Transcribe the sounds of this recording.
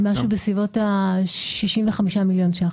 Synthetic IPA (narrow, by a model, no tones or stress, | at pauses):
maʃubesivo̞taʃiʃimveχamiʃamiljo̞nʃa